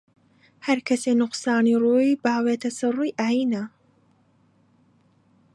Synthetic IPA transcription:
hɐɾkʰɐsenʊqsaːniruːjbaːweːt̪ʰɐsɨruːjʔaːjinɐ

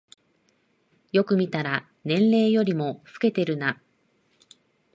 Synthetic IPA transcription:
jo̞kɯ̟mʲit̪aɾa | nẽ̞nɾe̞ːjo̞ɾʲimo̞ɸɯ̟̥ke̞t̪e̞ɾɯ̟na

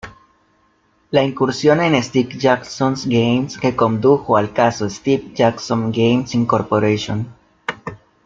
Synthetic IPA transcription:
laiŋkuɾsjo̞nenest̪ikd͡ʒaksonsɡejmskekond̪uxoalkasoest̪ip̚d͡ʒaksõnɡejmsiŋkoɾpoɾeʃjon

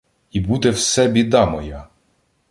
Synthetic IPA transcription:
ibud̪ɛwsɛbʲid̪ɑmɔja

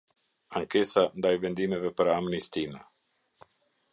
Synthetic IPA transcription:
aŋkesand̪ajvend̪imevepɾaamnist̪ina

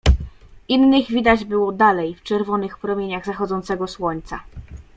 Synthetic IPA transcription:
ʔinːɘɣvʲid̪ad͡ʑbɘwɔd̪alɛjft͡ʂɛɾvɔnɘxpɾɔmʲjeɲaɣzaxɔd̪zɔnt̪sɛɡɔswɔɲt̪sa

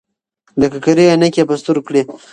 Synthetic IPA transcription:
d̪əkakaɾianekʲepəst̪uɾkɽi

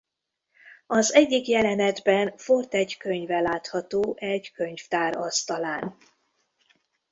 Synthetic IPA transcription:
ɒzɛɟːikjɛlɛnɛd̪bɛnfort̪ɛɟkøɲvɛlaːt̪hɒt̪oːʔɛɟkø̞ɲft̪aːɾɒst̪ɒlaːn

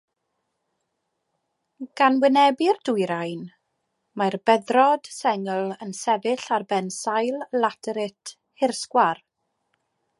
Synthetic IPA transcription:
ɡ̥anwɪnɛbɪrd̥ʊjɾajn | marbɛðrɔd̥sɛŋəlˠənsɛvɪɬarbɛnsajlˠlatʰəɾɪtʰ | hɪrskwar

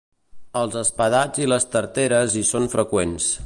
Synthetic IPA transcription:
əlˠzəspəðad͡ziləst̪əɾt̪eɾəzisonfɾəkwens

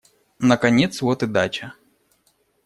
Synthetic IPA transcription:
nəkɐnʲet̪svot̪ɨd̪at͡ʃɐ

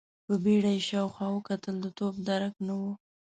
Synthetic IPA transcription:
pəbeɽajeʃɑwxwɑwəkat̪əld̪ət̪ob̚d̪aɾaknawu

